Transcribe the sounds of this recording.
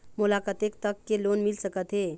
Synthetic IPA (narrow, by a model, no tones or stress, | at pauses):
mulakət̪ek̚t̪əkːelonmilsəkət̪ɦe